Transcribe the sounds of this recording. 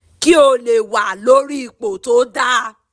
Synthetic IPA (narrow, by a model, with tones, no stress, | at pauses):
ki˦o˧le˨wa˨lo˨˦ɾi˦i˧˨k͡po˨to˦da˦